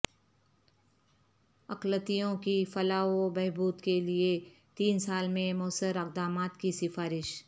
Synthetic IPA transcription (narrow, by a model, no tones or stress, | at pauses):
ɐqlət̪ijõkifɐlaːobɛɦbuːd̪kelie | t̪iːnsaːlmẽmoːsəɾɐq̚d̪aːmaːt̪kisɪfaːɾɪʃ